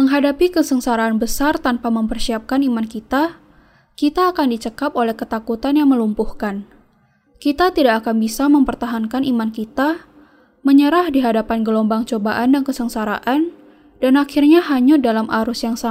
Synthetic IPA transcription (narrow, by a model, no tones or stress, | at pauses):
məŋɦadapikəsəŋsaɾaːnbəsart̪anpaməmpərsiap̚kanimankit̪a | kit̪aːkandit͡ʃəkapolɛhkət̪akut̪anjaŋməlumpuhkan | kit̪at̪idakːkanbisaməmpərt̪aɦankanimankit̪a | məɲəɾahdiɦadapanɡəlombaŋt͡ʃobaʔandankəsəŋsaɾa̰ʔan | d̥anaxirɲaɦaɲudalamʔaɾʊsjaŋsa